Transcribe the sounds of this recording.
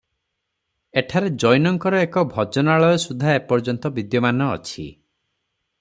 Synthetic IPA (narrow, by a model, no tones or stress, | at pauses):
eʈʰaɾed͡ʒɔjnɔŋkɔɾɔekɔbʱɔd͡ʒɔnaɭɔjɔsud̪ʱaepɔɾd͡ʒɔnt̪ɔbid̪jɔmanɔ̰ːt͡ʃʰḭ